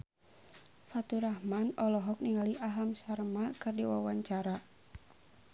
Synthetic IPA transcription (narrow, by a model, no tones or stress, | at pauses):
fat̪uɾahmanɔlɔɦɔk̚niŋaliʔaɦamsarmakɨrdiwa̰waɲt͡ʃaɾa